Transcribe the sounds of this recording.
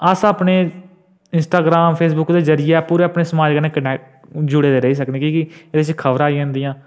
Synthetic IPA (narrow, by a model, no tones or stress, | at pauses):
əsaːpneː | ɪnsʈaːɡɾaːmpʰeːs̬bʊkd̪eːzəɾɪjɛːpuːɾẽːəpneːsəmaːd͡ʒkəneːkəʈɛːʈ | d͡ʒʊɽeːd̪eːɾəɦiːs̬əkd̪eːkiːkɪeːd̪et͡ʃkʰəʋɾaːiʊ̃nd̪iːãː